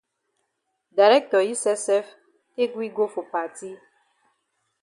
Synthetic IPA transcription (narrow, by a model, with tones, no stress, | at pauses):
da˨ɾɛ˦k̚tɔ˨ji˦sɛ˦sɛ˦f | ke˦ɡwi˦ɡo˦fo˨pa˨ti˦